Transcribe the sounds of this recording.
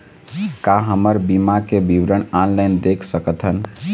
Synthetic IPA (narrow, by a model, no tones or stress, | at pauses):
kaɦəməɾbimakebiʋɾəɳanlaɪnd̪ekʰsəkət̪ʰɦən